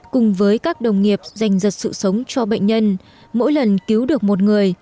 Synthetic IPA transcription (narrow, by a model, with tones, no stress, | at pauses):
kʊ˨˩ŋ͡mvəː˨˦jkaː˦˥k̚ɗə˨˩wŋ͡mŋi˨˩əp̚za˨˩jŋ̟zə˨˩t̚sɨ̰˧˨sə˨˦wŋ͡mt͡ɕɔ˧ɓə̰˧˨jŋ̟ɲə˧n | mo̰˧˥jlə˨˩nki˨˦wɗɨ˨˩ək̚mo˨˩t̚ŋɨ˨˩əj